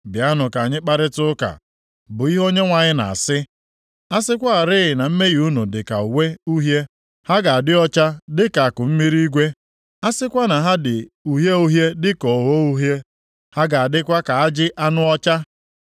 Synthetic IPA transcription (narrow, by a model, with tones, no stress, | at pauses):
bɪ˨a˦nʊ˨ka˨a˨ɲɪ˦k͡pa˦ɾɪ˦tʊ˦ʊ˦ka̰˨ | bʊ˨i˦ɦo˦ɲe˦ŋʷa˨ɲɪ˦na̰˨a̰˨sɪ˦ | a˦sɪ˦kʷa˦a˨ɾɪ˦ɣɪ˨na˨m̩˦me˦ɣi˨u˦nu˨dɪ˨ka̰˨u˨we˦u˦ɦje˦ | ha˦ɡa˨a˨dɪ˦ɔ˦t͡ʃa˦dɪ˦ka˨a˨kʊ˨m̩˦mi˦ɾi˦ɡʷe˦ | a˦sɪ˦kʷa˦na˨ɦa˦dɪ˨u˨ɦje˦u˦ɦje˦dɪ˦kɔ˨wo˦u˦ɦje˦ | ha˦ɡa˨a˨dɪ˦kʷa˦ka˨a˦d͡ʒɪ˦ʔa˦nʊ˦ɔ˦t͡ʃa˦